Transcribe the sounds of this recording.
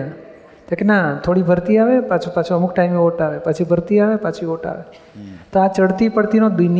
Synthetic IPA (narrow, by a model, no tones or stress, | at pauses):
t̪ekenat̪ʰoɽibʱəɾt̪iaʋepat͡ʃʰupat͡ʃʰuəmukʰʈaimeʋoʈaʋepət͡ʃʰibʱəɾt̪iaʋepat͡ʃʰiʋoʈa̰ʋḛ | t̪oat͡ʃəɽt̪ipəɽt̪inod̪ʊn